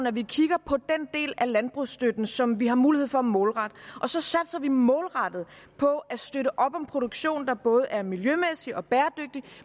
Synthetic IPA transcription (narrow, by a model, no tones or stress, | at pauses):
nɒʋikʰiɡ̥ɐpʰɒ̽d̥end̥e̝̰ːlælænb̥ʁṵsd̥ød̥n̩sɒ̽mʋiɦɑ̈muːlihe̝ð̰ˠfɒ̽mɔ̽ːlʁɑd̥ʔɒ̽sɒ̽sæd̥sɐʋimɔ̽ːlʁɑd̥ð̞̩ˠ | pʰɒ̽æsd̥øɾəʔɒ̽b̥ɒ̽mpʰʁo̝ɾ̥oɡ̥ɕo̝̰ːnd̥ɑ̈b̥ɔ̽ːð̞̩əʔæɐmiljømesiɒ̽b̥æːɐd̥øɡ̥̚d̥i